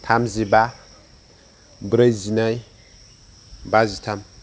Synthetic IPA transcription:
tʰamziba | bɾəjzinaj | bazitʰam

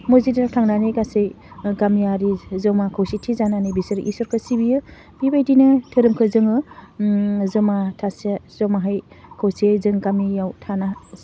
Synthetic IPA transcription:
mozidaɾatʰaŋnaneɡasej | ɡamiaɾizɔmakʰawsitʰizananɯjbisɯɾʔḭsɔɾkʰɯsibijɯ | b̥ibajdinɯtʰɯɾɯmkʰɯzɯŋɯ | zɔmatʰasaz̥ɔmaɦaj | kʰowsezɯŋɡamijawtʰana

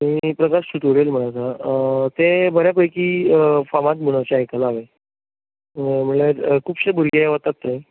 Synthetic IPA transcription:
mipɾəkaɾsut̪əɾelm̤əɽ̃at͡sat̪ebʱəɾjapəjkiːfamat̪̚muɽ̃ət͡ɕaajkalːʋe | m̤əɳleɾkʰuːpɕebuɾɡeʋət̪at̪naɦi

